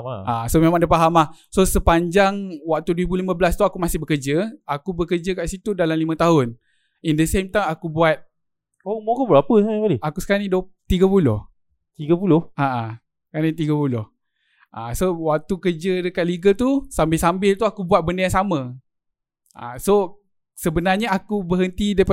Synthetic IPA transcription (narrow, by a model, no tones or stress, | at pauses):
aʔasomemaŋdəpaɦamahsosəpaɲd͡ʒaŋwak̚t̪uduibulimə̃bəlast̪uakumasɪhbəkərd͡ʒəakubəkəd͡ʒəkaʔsit̪udalamlimə̃t̪aɦʊn | indəsemt̪ajmakubuat̪̚ | omkubəapəapaliakusə̥kanidot̪iɡəpulʊ̰h | t̪iɡəpulʊhaʔa | kanət̪iɡəpulʊh | ʔasowak̚t̪ukərd͡ʒədəkat̪̚liɡət̪usambɪlsambɪlt̪uakubuat̪̚bəndəjaŋsamə̃ | ʔa̰so | səbənarɲəakubəɦənt̪idap